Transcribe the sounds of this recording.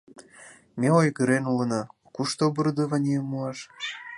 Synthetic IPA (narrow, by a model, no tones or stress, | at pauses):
meojɣəɾenulə̆nɑ | kuʃt̪obɨrd̪oβɑnʲijəmːuɑʃ